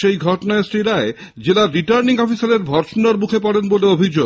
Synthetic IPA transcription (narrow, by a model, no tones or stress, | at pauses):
ʃejɡʱɔʈonaesʈiɾae | d͡ʑelaɾːiʈaɾniŋɔfisaɾeɾbʱɔɾʃonaɾmukʰepɔɽenboleobʱid͡ʑo